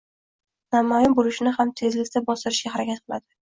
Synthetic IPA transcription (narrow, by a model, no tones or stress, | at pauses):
namɒjɪmbolɪʃɪnɪɦamt̪ʰe̞zlɪkʲt̪abɒst̪ɪɾɪʃɡʲaɦaɾakʲat̪̚qʰɨlˠad̪ɪ